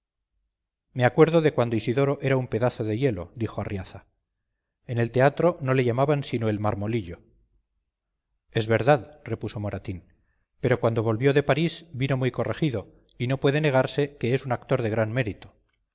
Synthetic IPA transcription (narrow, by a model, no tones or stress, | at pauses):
me̞akwe̞ɾðo̞ðe̞kwand̪oisiðo̞ɾo̞ʔe̞ɾaumpe̞ðaθo̞ðe̞je̞lo̞d̪ixoarjaθa | ene̞lt̪e̞at̪ɾo̞no̞le̞ʝamaβansinoe̞lmaɾmo̞liʎo̞ | e̞zβe̞ɾðaðre̞puso̞mo̞ɾat̪in | pe̞ɾo̞kwand̪o̞βo̞lβjo̞ðe̞paɾisbino̞mujko̞re̞χiðo̞ | ino̞pwe̞ðe̞ne̞ɣ̞aɾse̞ke̞esunak̚t̪o̞ɾðe̞ɣ̞ɾanme̞ɾit̪o